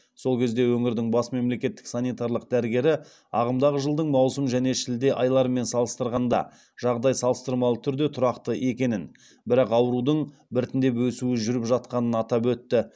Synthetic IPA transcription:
so̞lˠkʲʰe̞zd̪e̞wɵŋɪɾd̪ɪŋbɑsme̞mle̞kʲe̞t̪ːɪ̥ksanijt̪aɾlˠəq̚d̪æɾɡʲe̞ɾɪ | ɑʁəmd̪ɑʁəʒəlˠd̪əɴmɑwsəmʒæne̞ʃɪld̪e̞ʔɑjlˠɑɾəme̞nsɑlˠəst̪əɾʁɑnd̪ɑ̰ | ʒ̥ɑʁd̪ɑjsɑlˠəst̪əɾmɑlˠət̪ʰʏɾd̪e̞t̪ʰʊɾɑqt̪əʔe̞kʲe̞nɪn | bɪɾɑqɑwəɾud̪əɴ | bɪɾɪt̪ɪnd̪e̞pwɵsuɪʒʏɾɪpʒɑt̪̚qɑnənɑt̪ɑpwɵt̪ːɪ

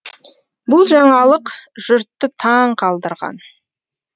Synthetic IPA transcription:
bʊlˠʒɑɴɑlˠəqʒ̥ʊɾt̪ːət̪ʰɑɴqʰɑlˠd̪əɾʁɑ̰n

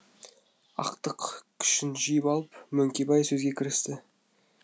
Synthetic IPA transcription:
ɑ̰qt̪əqkʲʰʏ̥ʃɪnʒijɪpɑlˠəpmɵŋkʲe̞bɑjsɵzɡʲekʲʰɪɾɪst̪ɪ

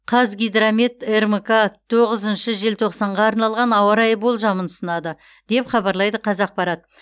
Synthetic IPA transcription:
qʰɑzɡʲijd̪ɾamet̪ermkat̪ʰo̞ʁəzənʃəʒelt̪ʰoqsɑɴʁɑːɾnɑlˠʁɑnɑwɑɾɑjbo̞lˠʒɑmənʊsənɑd̪ə | d̪̥e̞pχɑbɑɾlˠɑjd̪əqʰɑzɑq̚pɑɾɑt̪̚

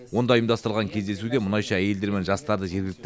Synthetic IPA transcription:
wo̞nd̪ɑijmd̪ɑst̪əɾlʁɑŋkʲʰed̪e̞suɡʲe̞mʊnɑjʃɑæje̞ld̪e̞ɾme̞nʒɑst̪ɑɾd̪əʒe̞ɾɡʲɪlɪk̚t̪

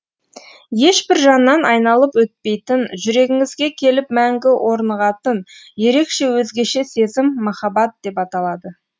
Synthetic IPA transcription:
je̞ʃbɪɾʒɑnːɑnʔɑjnɑlˠəpwɵt̪̚pe̞jt̪ɪnʒʏɾe̞ɡʲɪŋɪzɡʲe̞kʲʰe̞lɪp̚mæŋɡʲɪwʔo̞ɾnəʁɑt̪ənje̞ɾe̞kʃe̞wɵzɡʲe̞ʃe̞se̞zɪmːɑχɑbɑt̪̚d̪̥e̞pɑt̪ɑlˠɑd̪ə

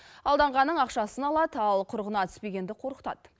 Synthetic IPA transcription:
ɑlˠd̪ɑɴʁɑnːəɴɑqʃɑsənɑlˠɑd̪ɑlˠqʰʊɾʁənɑt̪ɪ̥spe̞ɡʲe̞nd̪ɪqʰo̞ɾəqt̪ɑ̰t̪

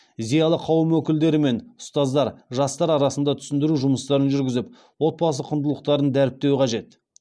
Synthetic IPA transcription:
zijɑlˠəqʰɑwəmwɵkʲɪld̪e̞ɾɪme̞nʊst̪ɑzd̪ɑɾʒɑst̪ɑɾɑɾɑsənd̪ɑt̪ʰʏ̥sɪnd̪ɪɾuʒʊməst̪ɑɾənʒʏɾɡʲɪzɪp̚ | wo̞t̪̚bɑsəqʰːʊnd̪əlˠəq̚t̪ɑɾənd̪æɾɪp̚t̪e̞wɪqʰɑʒe̞t̪

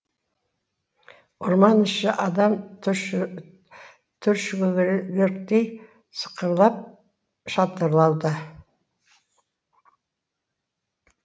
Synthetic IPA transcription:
ʊɾmɑnɪʃɪʔɑd̪ɑm | t̪ʰʏɾʃʲɡeɾk̚t̪ej | sə̥qəɾlˠɑp̚ | ʃɑt̪əɾlˠɑwd̪ə

